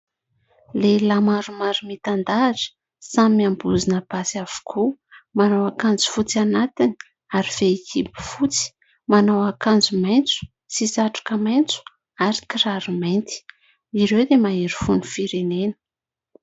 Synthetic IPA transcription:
lelamaɾumaɾumit̪and̪aʈ͡ʂə̥ | sammiambuzinəbasiav̥u̥kʰumanawakand͡zu̥fut͡sianat̪ini | aɾiv̥eekʰipi̥fut͡si̥ | manawakand͡zumajnt͡su̥ | t͡sisaʈ͡ʂu̥kəmajnt͡su̥ | aɾi̥kiraɾumejnt̪i̥ | iɾewd̪emaiɾifunifiɾenenə̥

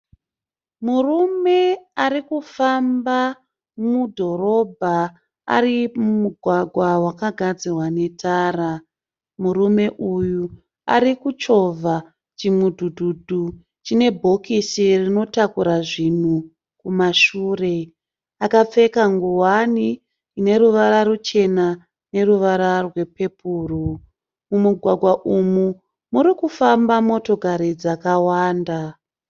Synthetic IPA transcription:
murume̞aɾikufamba | mudʱo̞ɾo̞bʱa | a̰rimumuɡʱwaɡʱwawakaɡʱad͡zirwane̞tʰaːra | murume̞ʔuju | a̰ɾikut͡ʃo̞vʱa | t͡ʃimudʱudʱudʱu | t͡ʃine̞bʱokisirino̞takuɾaʐin̤u | kumaʃuːre̞ | akap͡fe̞kaŋɡuwaniː | ne̞ɾuʋaɾaɾut͡ʃe̞na | ne̞ruʋaɾarwe̞pe̞pʰuːru | mumuɡʱwaɡʱwaʔumu | muɾikufambamo̞to̞ɡʱaɾid͡zakawaːnda

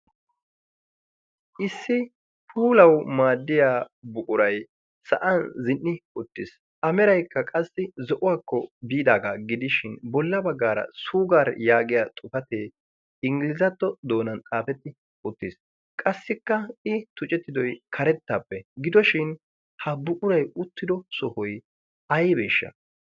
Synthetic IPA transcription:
ʔɪsːɪ | pʰuːlɐwmaːd̪ːɪjaːbʊkʼʊɾɐj | sɐ̰ʔɐnzɪnːɪʊt̪ːɪs | ʔɐmɛɾɐjkːɐkʼɐsːɪzɔʔʊwaːkːɔbiːd̪aːɡaɡɪd̪ɪʃɪnbɔlːɐbɐɡːaːɾɐ̰suːɡaːɾjaːɡɪjaːt̪ʼʊfɐt̪eː | ɪŋɡɪlɪzɐt̪ːɔd̪o̞ːnɐnt̪ʼaːfɛt̪ːɪ | ʊt̪ːɪs | kʼɐsːɪkːɐɪt̪ʊt͡ʃʼɛt̪ːɪd̪ɔjkʰɐɾɛt̪ːaːpːɛɡɪd̪ɔʃɪn | hɐbʊʔʼʊɾɐjʊt̪ːɪd̪ɔsɔhɔj | ɐjbe̞ːʃːɐ̰

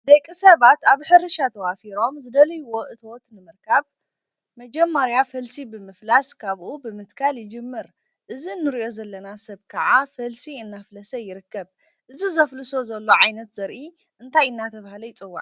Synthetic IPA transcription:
d̪ɐjkʼisɐβat̪aβħɨɾɨʃat̪ʰɐwafiɾo̞mzɨd̪ɐlɐjuwo̞ʔɨt̪ʰwot̪nɨmɨɾkʰaβ | mɐd͡ʒɐmːɐɾjafɐlsibɨmɨflaskʰaβʔubɨmɨt̪kʰaljɪd͡ʒɨmːɨɾ | ʔɨzinːɨɾiʔo̞zɐlːɐnasɐβkʰɐʕafɐlsiɨnːaflɐsɐjɪɾɨkːɐβ | ʔɨzizɐflɨso̞zɐlːo̞ʕajnɐt̪zɐɾʔi | ʔɨnt̪ʰajɨnːat̪ʰɐβahlɐjt͡sʼɨwːa̰ʔ

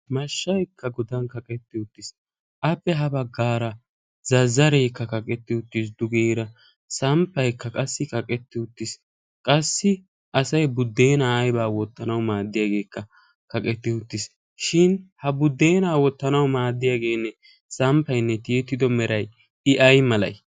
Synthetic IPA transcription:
mɐʃːɐjkʰːɐɡɔd̪ɐnkɐkʼɛt̪ːɪʊt̪ːɪs | ʔɐpːɛɦɐbɐɡːaːɾɐ | zɐzːɐɾɛjkːɐkɐkʼɛt̪ːɪʊt̪ːɪs̬d̪ʊɡeːɾɐ | sɐmpːɐjkːɐkʼɐsːɪkɐkʼɛt̪ːɪʊt̪ːɪs | kʼɐsːɪ | ʔɐsɐjbʊd̪ːe̞ːnaːjbaːwɔt̪ːɐnɐwmaːd̪ːɪjaːɡe̞ːkːɐ | kɐkʼɛt̪ːɪʊt̪ːɪs | ʃɪnhɐbʊd̪ːe̞ːnaːwɔt̪ːɐnɐwmaːd̪ːɪjaːɡe̞ːnːɛ | sɐmpːɐjnːɛt̪ɪjɛt̪ːɪd̪ɔmɛɾɐj | ɪʔɐjmɐlɐ̰j

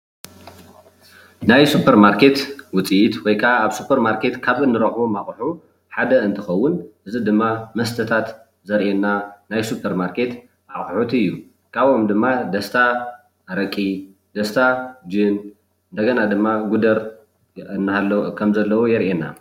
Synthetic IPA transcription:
najsupʰɐɾmaɾkʰe̞t̪wʊt͡sʼiʔit̪wɔjkʰaːβsupʰɐɾmaɾkʰe̞t̪kʰaβɨnːɨɾɐħomaχʼħu | ħad̪ɐɨnt̪ʰɨxɐwːʊnʔɨzid̪ɨmːamɐst̪ʰɐt̪ʰat̪ | zɐɾʔenːanajsupʰːɐɾmaɾkʰe̞t̪ | ʕaxʼħut̪ɨjːu | kʰʼaβomd̪ɨmːad̪ɐst̪ʰa | ɾɐkʼi | d̪̥ɐst̪ʰad͡ʒɨn | ʔɨnd̪ɐɡɐnad̪ɨmːaɡud̪ɐɾ | ɨnːalːkʰɐmzɐlːɐwujɛɾʔenːa̰

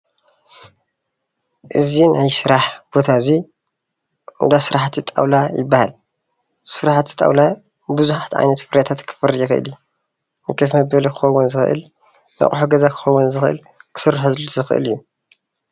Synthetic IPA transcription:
ʔɨzinajsɨɾaħb̥o̞t̪ʰazi | d̪asɨɾaħt̪ʰit̪ʼa̰wlajɪbːahal | sɨɾaħt̪ʰi̥t̪ʼa̰wla | bɨzuħat̪ʰʕa̰jnɐt̪fɨɾjat̪ʰat̪kʰɨ̥fɨɾijɛxɨʔɨ̰lijːu | nɨkʰɐfmɐbɐlikʰɨ̥xɐwːunzɨxɨʔɨ̰l | nɐ̰kʼħuɡɐzakʰɨ̥xɐwunzɨxɨʔɨ̰l | kʰɨ̥sɨrːħozɨlzɨxɨʔɨ̰lɨjːu

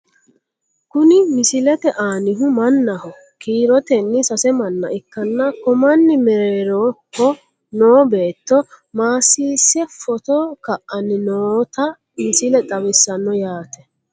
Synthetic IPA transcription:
kʊnɪmɪsɪlɛt̪ɛʔaːnɪɦʊmɐnːɐhɔ | kiːɾɔt̪ɛnːɪsɐsɛmɐnːɐʔɪkːɐnːɐkɔmɐnːɪmɛɾeːɾoːkːɔ | noːbe̞ːt̪ːɔ | maːsːiːsːɛfɔt̪ɔkɐʔʔɐnːɪnoːt̪ɐ | mɪsɪlɛt̪ʼɐwɪsːɐnːɔjaːt̪ɛ

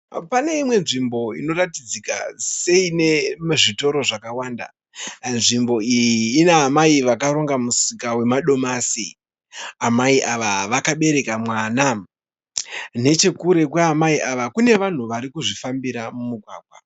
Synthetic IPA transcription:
pane̞imwe̞nʐimbo̞ḭno̞ɾatid͡zika̰se̞ine̞ʐito̞ɾo̞ʐakawaːnda̰ | nʐimbo̞ijiːneamaiʋakaɾo̞ŋɡamusikawe̞maɗo̞masi | amaiʔaʋaʋakaɓe̞ɾe̞kamwaːna | ne̞t͡ʃe̞kuɾe̞kweamaiʔaʋakune̞ʋan̤uʋaɾikuʐifambiɾamumuɡʱwaːɡʱwa

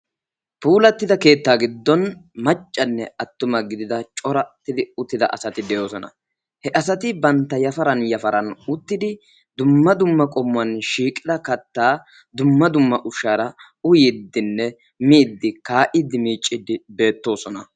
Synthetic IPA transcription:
puːlɐt̪ːɪd̪ɐke̞ːt̪ːaːɡɪd̪ːɔnmɐt͡ʃʼːɐnːɛɐt̪ːʊmɐɡɪd̪ɪd̪ɐt͡ʃʼɔɾɐt̪ːɪd̪ɪʊt̪ːɪd̪ɐ̰ʔɐsɐt̪ɪd̪ɛjo̞ːsɔnɐ̰ | hɛʔɐs̬ɐt̪ɪbɐnt̪ːɐjɐfɐɾɐnjɐfɐɾɐnʊt̪ːɪd̪ɪ | d̪ʊmːɐd̪ʊmːɐkʼɔmːʊɐnʃiːkʼɪd̪ɐkɐt̪ːaː | d̪ʊmːɐd̪ʊmːɐʔʊʃaːɾɐ | ʊjɪd̪ːɪnːɛ | miːd̪ːɪkaːʔɪd̪ːɪmiːt͡ʃʼːɪd̪ɪbe̞ːt̪ːo̞ːsɔnɐ

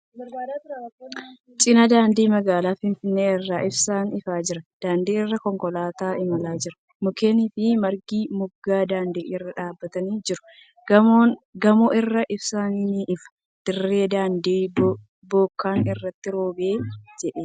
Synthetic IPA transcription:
t͡ʃʼɪnɐd̪aːnd̪iːmɐɡaːlaːfɪnfɪnːeːɪrːaːʔɪbsaːnɪfaːd͡ʒɪɾɐd̪̥aːnd̪iːɪrːɐkɔŋkɔlaːt̪aːɪmɐlaːd͡ʒɪɾɐ̥ | mʊkeːniːfɪmɐɾɡiːmʊɡːaːd̪aːnd̪iːʔɪrːɐᶑaːbːɐt̪ɐniːd͡ʒɪɾʊ̥ | ɡɐmoʔɪrːɐʔɪbsaːniːniːʔɪfɐ̥ | d̪̥ɪrːe̞ːd̪aːnd̪iː | bo̞ːkːaːnɪrːɐt̪ːɪɾo̞ːbeːd͡ʒɛᶑeː

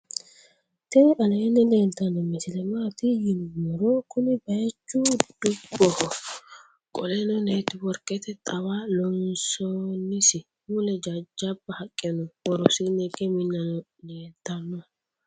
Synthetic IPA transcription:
t̪ɛnʔɐlɐjɛnːɛleːnt̪ɐnːɔmɪsɪlɛmaːt̪ɪjɪnbɔɾɔkʊnɪbɐjɐt͡ʃːud̪̥ʊbːɔhɔ | kʼɔlɛnɔneːt̪ɪwɔɾkʼɛt̪ɛt̪ʼɐwaːlɔnsɔnːɪsɪ | mulɛd͡ʒɐd͡ʒɐbːɐhɐkʼːɛnɔwɔɾɔsɪnɛɡɛmɪnːɐnɔ | leːnt̪ːɐnːɔ

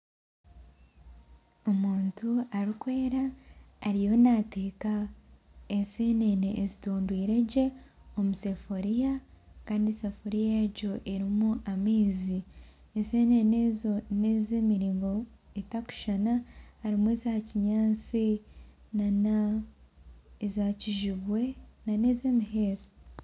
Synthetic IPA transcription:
omuːntuaɾikwe̞ːɾaː | ɾijo̞nate̞ːka | eseːneneʔezituːndwiːɾe̞ɟe̞o̞muse̞foɾijakaːndisefoɾijaeɾɟo̞ʔeɾimuʔamiːzi | eseːnenezonezeːmiɾiːŋɡo | etaku̥ʃanahaɾimuwezaciɲaːt͡sinana | ezaːciʒiβwe̞nane̞zemiɦeːzi̥

